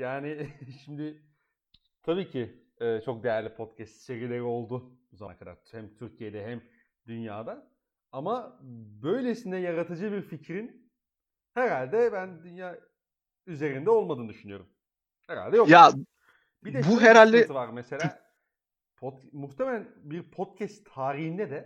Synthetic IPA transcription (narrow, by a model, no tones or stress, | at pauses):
jaːnɪʃimd̪ɪ | t̪ʰabiːcʰi | ɛːt͡ʃʰo̞k̚d̪e̞jæɾlʲipʰo̞t̪cʰɛst̪t͡ʃevilʲːe̞ɾio̞lˠd̪ʊuzaɾkʰad̪a̰ɾhɛmt̪ʰyɾcʰije̞d̪ɛɦæm | d̪ynjaːd̪a | amabø̞jlʲesind̪ɛjaɾat̪ʰɯd͡ʒɯbiɾficɾin | heɾalʲd̪ɛbænd̪ynjaː | yze̞ɾind̪ɛo̞lˠmad̪ɯːnd̪yʃynyjo̞ɾum | heɾa̰lʲd̪ɛjoja | bid̪ɛbuɦeɾalʲd̪ɛsɯvaɾmese̞lʲaː | pʰot̪muxt̪ʰe̞melʲæn | biɾpʰo̞t̪̚cʰɛst̪ʰːaːɾiɦind̪ɛd̪ɛ